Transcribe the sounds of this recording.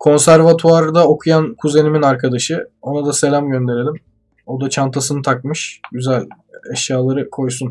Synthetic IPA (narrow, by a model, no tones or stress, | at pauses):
kʰo̞nsæɾvat̪ʰuaɾd̪ao̞kʰujankʰuze̞niminaɾkʰad̪aʃɯo̞nad̪ase̞lʲamɟø̞nd̪e̞ɾe̞lʲim | o̞d̪at͡ʃʰant̪ʰasɯnɯt̪ʰakmɯʃɟyzælʲ | ɛʃjaːlˠaɾɯkʰo̞jsun